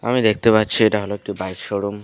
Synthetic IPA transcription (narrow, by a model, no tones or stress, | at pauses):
a̰mid̪ek̚ʰt̪epatːt͡ɕʰieʈaɦoloek̚ʈibajkʃoɽum